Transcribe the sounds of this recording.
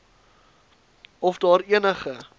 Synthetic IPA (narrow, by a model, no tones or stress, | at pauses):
ɔfdɑːɾiənəχə